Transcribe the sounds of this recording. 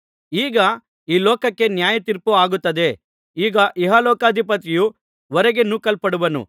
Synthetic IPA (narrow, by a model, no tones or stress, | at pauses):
iːɡɐ | iːlɔːkɐkːe̞njaːjɐt̪iɾpuaːɡut̪ːɐd̪e̞ | iːɡɐʔiɦɐlɔːkaːd̪ʱipɐt̪iju | ʋɔɾɐɡenukɐlpɐɽuʋɐnṵ